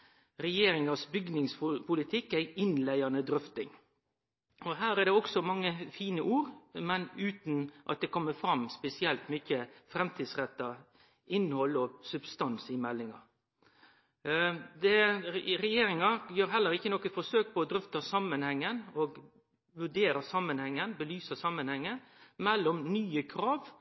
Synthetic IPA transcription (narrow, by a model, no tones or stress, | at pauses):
ɾɛjeːɾɪŋɑsbʏɡnɪŋspʰʊlɪt̪ʰɪkːæɪʔɪnlæɪɑnəd̪ɾʏft̪ɪŋ | ɔɦæːɾæd̪ɛɔksɔmɑŋːəfiːnəʔuːɾmɛnʉːt̪nʔɑ̰t̪̚d̪ɛkʰɔmːəfɾɑmːspɛsɪɛlt̪mʏçəfɾɛmt̪ʰiːd̪sʁɛt̪ːɑ | ɪnːhɔlːɔsʉbst̪ɑnsɪmɛlːɪŋɑ̰ | d̪ɛɾɛjeːɾɪŋɑjøːɾɦɛlːəɾɪçːənɔkːət̪fɔsøːk̚pʰɔːd̪ɾʏft̪ɑsɑmːənhɛŋːənɔɡ | ʋʉɖeːɾɑsɑmːənhɛŋːənbəlyːsəsɑmːənhɛŋːəmɛlːɔmnyːəkʰɾɑːʋ